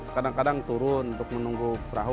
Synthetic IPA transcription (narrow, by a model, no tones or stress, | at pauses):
kadaŋkadaŋt̪uɾʊnunt̪ʊk̚mənuŋɡupəɾaɦ